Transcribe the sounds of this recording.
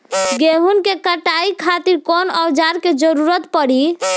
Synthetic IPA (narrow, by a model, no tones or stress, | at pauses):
ɡeɦunkekəʈaikʰat̪iɾkɔnəwd͡ʒaɾked͡ʒəɾuɾət̪pəɽi